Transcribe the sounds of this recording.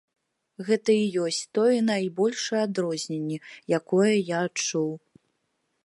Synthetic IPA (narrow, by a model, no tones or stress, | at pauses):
ɣɛt̪ɐijɔsʲt͡sʲt̪ɔjɐnajbɔlʲʂɐjad̪ɾɔzʲnʲenʲːɛjakɔjɐjaːt͡ʂuw